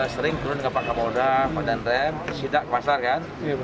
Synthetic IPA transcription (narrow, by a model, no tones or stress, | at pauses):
səɾɪŋt̪uɾʊnɡapaʔkamodafadant̪ɛmsidaʔkəmasarkan